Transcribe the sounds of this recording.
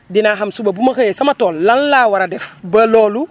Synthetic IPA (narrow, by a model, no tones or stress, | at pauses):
dinaɦamsubabumɐxeesɐmatoːlːanlaːwaɾadɛfbɐloːlu